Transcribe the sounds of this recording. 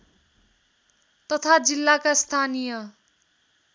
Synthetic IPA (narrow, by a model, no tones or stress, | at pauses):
t̪ʌt̪ʰad͡zilːakast̪ʰanijʌ